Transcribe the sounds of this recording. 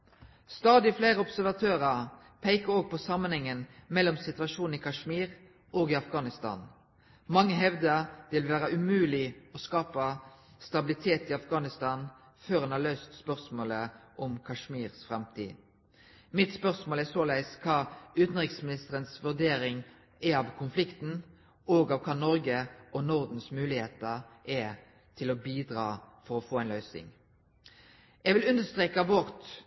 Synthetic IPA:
st̪ɑːd̪ɪfleːʁəɔbsæʁʋɑt̪ʰøːʁəʁ | pʰeɪkəʁoːɡ̚pʰɔsɑmːənhɛŋːənmɛlːɔmsɪt̪ʉɑʃuːn̩ikʰɑʂmiːʁ | ʔoːɡɪɑfɡɑːnɪst̪ɑ̰ːn | mɑŋːəɦɛʋd̪əd̪ɪlʋæːʁəʔʉmʉːlɪɔskɑːpɑ | st̪ɑbɪlɪt̪ʰeːt̪ɪɑfɡɑːnɪst̪ɑːn | føːʁɑnhɑːʁløːst̪spœʁsmoːləʔɔmkʰɑʂmiːʁsfʁɛmt̪ʰḭː | mɪt̪spœʁsmoːlæʁsoːlæɪskʰɑːʉːt̪n̩ʁɪksmɪnɪst̪əʁənsʋʉʁd̪eːɾɪŋ | ɛɑʋkʰʊnflɪkt̪n̩ | oːɡɑːʋkʰɑːnɔɾɡəɔnʊʁd̪n̩smʉːlɪheːt̪əʁʔɛ | t̪ʰɪlɔbiːd̪ɾɑːfɔʁɔfoːæɪnlœʏsɪ̰ŋ | ɛɡʋɪlʉnd̪əst̪ʁeːkɑʋɔʁt̪

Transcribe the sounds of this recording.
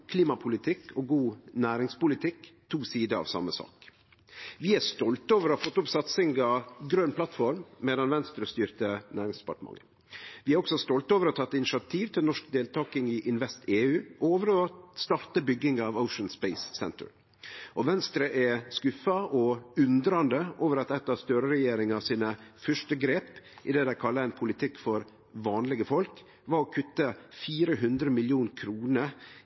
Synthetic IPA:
kʰliːmɑpʰʊlɪt̪ʰɪkʰɔɡuːnæːɾɪŋspʊlɪt̪ʰɪkt̪ʰuːsiːd̪əɾɑ̰ʋsɑ̰məsɑ̰ːk | ʋɪæst̪ɔlt̪oːʋəɾɔɑfɔt̪ːʊpsɑt̪sɪŋɡɑɡɾœːnpʰlɑt̪fɔɾmmeːd̪ɑnʋɛnst̪ɾəst̪yːɾt̪ənæːɾɪŋsd̪ɛ̥pɑʈəmɑ̰ŋːə | ʋɪæɾɔksɔst̪ɔlt̪oːʋəɾɔt̪ʰɑt̪ːɪnɪʃɑt̪ʰiːʋt̪ʰɪlnɔʂkd̪eːlt̪ʰɑːkɪŋɪʔɪnʋɛst̪eːʉːʔoːʋəɾɔst̪ɑɾt̪əbʏɡːɪŋɑːʋəʊʂənspɛɪsːɛ̰nt̪ʰə̰ɾ | ʔɔʋɛnst̪ɾəʔɛskʉfɑɔʉnd̪ɾɑnd̪əʔoːʋəɾɑt̪ɛt̪ːɑst̪øːɾəɾɛjeːɾɪŋɑsiːnəfœʂʈəɡɾeːpʔɪd̪eːd̪æɪkʰɑlːəɛɪnpʰʊlɪt̪ʰɪkːfɔɾ | ʋɑːnlɪɡəfɔlk | ʋɑːɾɔkʰʉt̪ːəfiːɾəɦʉnd̪ɾəmɪljuːnkʰɾuːnəɾ

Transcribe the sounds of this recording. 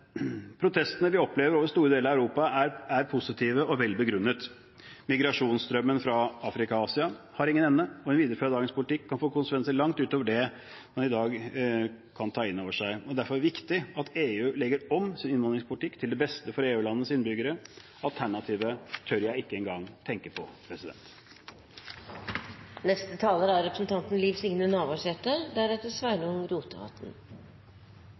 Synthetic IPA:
pʰɾʊt̪ʰɛst̪ənəʋɪɔpleːʋəɾoːʋəɾst̪uːɾəd̪eːləɾɑæʉɾuːpɑæɾæɾpʰʊsɪt̪ʰiːʋəʔɔʋɛlːbəɡɾʉnːət̪ | mɪɡɾɑʂuːnsd̪ɾœmːənfɾɑɑːfɾɪkɑɑːsɪɑ | hɑɾɪŋːənɛnːəɔɛnʋiːd̪əɾəføːɾd̪ɑːɡəŋspʊlɪt̪ʰɪkʰːɑnfoːkʊnsəkʰʋɛnsəlɑŋt̪ʉːt̪oːʋəɖɛ | mɑnɪd̪ɑːɡ | kʰɑnt̪ʰɑːɪnːoːʋəʂæɪɔd̪æɾfɔɾæʋɪkt̪ɪɑt̪eːʉːlɛɡəɾɔmsɪnɪnʋɑnɾɪŋspʰʊlɪt̪ɪkːt̪ʰɪld̪ɛbɛst̪əfɔɾeːʉːlɑnːəsɪnbʏɡəɾə | ɑlt̪ʰæɳɑt̪ʰiːʋət̪ʰœɾjæɪɪkːəɛŋɡɑŋt̪ʰɛŋkəpʰɔpʰɾɛsɪd̪ɛ̰nt̪ | nɛst̪ət̪ʰɑːləɾæɾɾɛpɾəsn̩t̪ʰɑnt̪n̩liːʋsɪŋnənɑːʋɑʂɛʈəd̪æɾɛt̪əsʋæɪnʊŋɾuːt̪əhɑ̰t̪n̩

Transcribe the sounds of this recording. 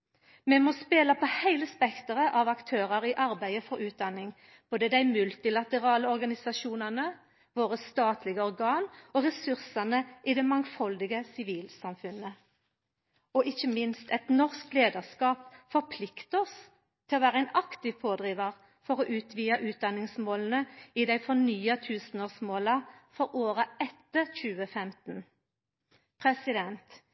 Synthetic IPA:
mɛmɔspeːlɑpʰɔhæɪləspɛkt̪əʁəʔɑʋɑkt̪ʰøːʁəʁɪʔɑʁbæɪəfɔɾʉːt̪̚d̪ɑnɪŋ | b̥oːd̪əd̪æɪmʉlt̪ɪlɑt̪əʁɑːləɔʁɡɑnɪsɑʃuːnəʁnə | ʋoːʁəst̪ɑːt̪ʰlɪɡəɔʁɡɑːnoːʁɛsʉʁsɑnəʔid̪ɛmɑŋfɔld̪ɪɡəsɪʋiːlsɑmfʉnə | ɔʔɪçəmɪnst̪ʰɛt̪nɔʁskleːd̪əʁskɑːpfɔɾpʰlɪkt̪əɔs | t̪ʰɪlɔʋæːʁəɛnɑkt̪ɪʋpʰoːd̪ʁiːʋɑʁ | fɔʁoːʔʉːt̪ʰʋiːɑʔʉːt̪̚d̪ɑnɪŋsmoːln̩əɪd̪æɪfɔnyːət̪ʰʉːsn̩oːʁsmoːlɑfɔɾoːʁəɛt̪ːəc͡çʉːəfɛmt̪n | pʰʁɛsɪd̪ɛnt̪

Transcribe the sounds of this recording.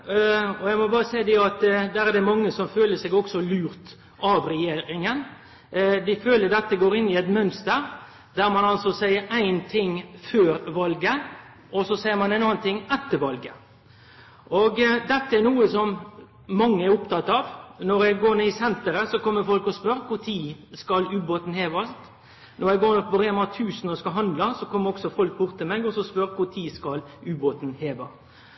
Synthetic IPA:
ɔjæɪɡmɔbɑːɾəsæɪd̪ɪɑt̪d̪æɾɛd̪ɛmɑŋːəsɔmføːləsɛɡɔksɔlʉːɾt̪ | ɑʋɾɛjeːɾɪŋən | d̪ɪføːləɾd̪ɛt̪ːəɡoːɾɪnːɪɛɪt̪mœnst̪əɾ | d̪æɾmɑnɑlsɔsæɪəɾæɪnt̪ʰɪŋføːɾʋɑlɡə | ʔɔsɔsæɪəɾmɑnæɪnɑːnt̪ʰɪŋɛt̪ːəɾʋɑlɡə | ʔɔɡd̪ɛt̪ːəæɾnuːəsɔm | mɑŋːəæɾʊpt̪ɑt̪ːɑːʋnɔɾɛɡɡoːnəɪsɛnt̪əɾəsɔkɔmːəɾfɔlkɔspœɾkʰʊɾt̪ʰiːskɑlʉːboːt̪n̩heːʋɑst̪ | nɔɾjɛɡoːnɔpɔɾɛmɑt̪ʰʉːsnɔskɑɦɑnd̪lɑsɔkʰɔmːəɾɔksɔfɔlk̚bʊɾt̪ːɪmeːɡɔsɔspœɾkʰʊɾt̪ʰiːskɑlʉːboːt̪n̩heːʋɑ

